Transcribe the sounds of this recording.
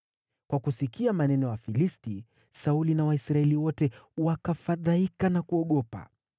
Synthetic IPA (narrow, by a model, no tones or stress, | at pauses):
kwakusikiamanɛnɔjafilisti | saulinawaisɾaɛliwɔtɛwakafaðaikanakuɔɠɔpa̰